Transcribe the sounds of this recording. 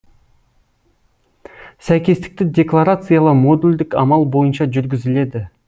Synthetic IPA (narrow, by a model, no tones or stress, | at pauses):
sæjkʲe̞st̪ɪ̥k̚t̪ɪd̪ʲe̞klˠaɾat̪sɨjalˠəmo̞d̪ulʲd̪ɪkɑ̰mɑlˠbo̞jənʃɑʒʏɾɡʲɪzɪle̞d̪ɪ